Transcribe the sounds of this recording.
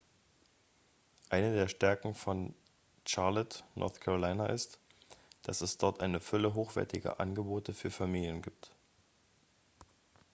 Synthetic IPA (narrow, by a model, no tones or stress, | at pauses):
ʔaɪnədeːɐʃtɛɐkŋ̩fɔn | t͡ʃaɐlɛtnʔɔ̰ɐθkʰaʁolaɪnaʔɪstd̥asɛsd̥ɔɐtʔaɪnəfʏləɦoːxv̥ɛ̰ɐtɪɡɐ̰ʔanɡəboːtəfyːɐfamiːljənɡiːp̚t